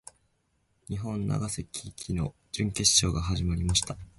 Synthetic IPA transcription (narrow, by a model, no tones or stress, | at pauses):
ɲ̟iɦõ̞nːa̰ɡasekʲʰikʲʰino̞̰ | d͡ʑɨ̃ŋke̞ɕɕo̞ːɡaɦaʑimaɾʲimaɕi̥t̪a